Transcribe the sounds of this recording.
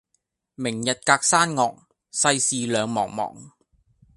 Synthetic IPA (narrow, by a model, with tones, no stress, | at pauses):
mɪ˨˩ŋjɐ˨t̚kaː˧k̚saː˥nŋɔː˨k̚ | sɐ˧jsiː˨˧lœː˨˧ŋmɔ̰ː˨˩ŋ̚mɔ̰ː˨˩ŋ